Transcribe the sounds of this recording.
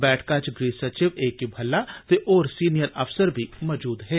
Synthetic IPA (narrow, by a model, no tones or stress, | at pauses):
bɛːʈʰkat͡ʃɡɾiːsɐt͡ʃɪʋeːkibʱɐlːat̪eʔɔːɾsiːnijəɾɐfsəɾbʱimɔːd͡ʒuːd̪ɦɛː